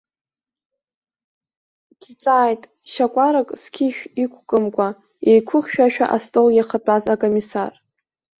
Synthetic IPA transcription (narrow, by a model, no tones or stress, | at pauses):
ɡ̥it͡sʼaːjtʼ | ʃakʷʼaɾakʼskʲʰiʃᶣikʷʰkʼɨmkʷʼa | ejkʷʰʊχʲʃᶣaʃᶣa̰ʔastʼoljaχat͡pʼazakʼomisar